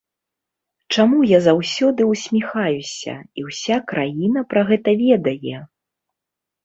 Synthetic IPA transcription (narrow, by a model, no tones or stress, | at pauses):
t͡ʂamujazawsʲɔd̪ɨwsʲmʲixajusʲɐ̰iwsʲakɾajin̪ɐpɾɐɣɛt̪ɐvʲɛd̪ɐjɛ